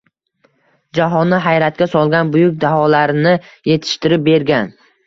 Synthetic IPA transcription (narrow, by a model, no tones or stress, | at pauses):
d͡ʒaɦɒnːɪɦajɾat̪̚kʲasɒlˠɡʲanbʊjʊk̚ʲd̪aɦɒlaɾnɪ | je̞t̪ʰɪ̥ʃt̪ɪɾɪp̚be̞ɾɡʲan